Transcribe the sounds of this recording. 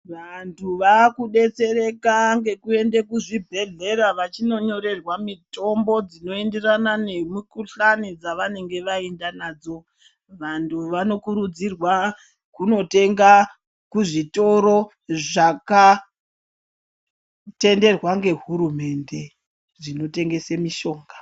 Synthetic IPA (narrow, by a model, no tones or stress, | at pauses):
ʋantʰuʋakuɗe̞t͡se̞ɾe̞kaŋɡe̞kue̞ndekuʐibʱe̞ɮe̞ɾaʋat͡ʃino̞ɲo̞ɾe̞rwamito̞mbo̞d͡zino̞e̞nde̞ranane̞mukuɬanid͡zaʋane̞ŋɡe̞ʋaendanaːd͡zo̞ | ʋantʰuʋano̞kuɾud͡zirwa | kuno̞te̞ŋɡa | kuʐito̞ɾo̞ | ʐaka | te̞nde̞rwaŋɡe̞ɦuɾume̞nde̞ | ʐino̞te̞ŋɡe̞semiʃo̞ːŋɡa